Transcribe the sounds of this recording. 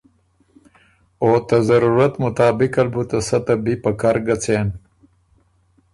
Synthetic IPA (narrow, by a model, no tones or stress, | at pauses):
oːt̪ɐzɐɾuɾat̪mʊt̪aːbɪkalbut̪ɐsɐt̪ɐbipɐkaɾɡat͡sen